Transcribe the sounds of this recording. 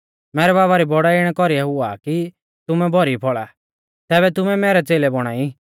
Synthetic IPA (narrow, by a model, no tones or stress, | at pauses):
mɛːɾɛbaːβaɾibɔɽaɪɽ̃ɛkɔɾiɛɦʊa̰ki | t̪ʊmɛbʱɔɾipʰɔɭa̰ | t̪ɛːβɛt̪ʊmɛmɛːɾɛt͡seːlɛbɔɽ̃aːi